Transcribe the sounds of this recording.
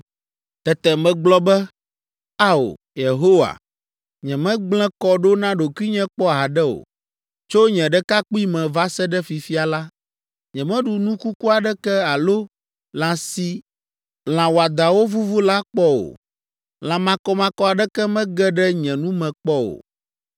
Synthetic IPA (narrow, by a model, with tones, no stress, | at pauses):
t̪ɛ˨t̪ɛ˨mɛ̃˨ɡ͡blɔ˦bɛ˦ | a˦o̰˨ | je˨ɦo˦wa̰˨ | ɲɛ̃˨mɛ̃˦ɡ͡blɛ̃˦kɔ˦ɖo˦nã˦ɖo˨ku˦i˦ɲɛ̃˦k͡pɔ˦a˨ɖɛ˦o̰˨ | t͡ʃo˦ɲɛ̃˨ɖɛ˦ka˦k͡pu˦i˦mɛ̃˨va˦sɛ˦ɖɛ˦fi˨fi˦a˨la˦ | ɲɛ̃˨mɛ̃˦ɖu˨nũ˦ku˦ku˦a˨ɖɛ˦kɛ˦a˨lo˦ | lã˨si˦ | l̃ã˨wo˨a˨d̪a˨wo˦vu˦vu˦la˦k͡pɔ˦o̰˨ | lã˨mã˨kɔ˦mã˨kɔ˦a˨ɖɛ˦kɛ˦mɛ̃˦ɡɛ˦ɖɛ˦ɲɛ̃˨nũ˦mɛ̃˨k͡pɔ˦o̰˨